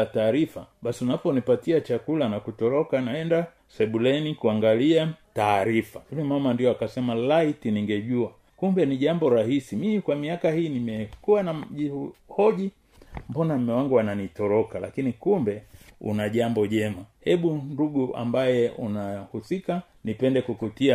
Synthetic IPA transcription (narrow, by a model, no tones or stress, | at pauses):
taːɾifaɓasiunapɔnipatiat͡ʃakulanakutɔɾɔkanaɛnda | sɛɓulɛnikuaŋɡaliataːɾifaulɛmamandiɔakasɛmalaitiniŋɡɛʄua | kumbɛniʄambɔɾahisimimikwamiakahiːnimɛkuwanaʄihɔʄi | mbɔnam̩mɛwaŋɡuwananitɔɾɔkala̰kinikumbɛṵnaʄambɔʄɛmahɛɓunduɡuʔa̰mbajɛṵnahusika | nipɛndɛkukutia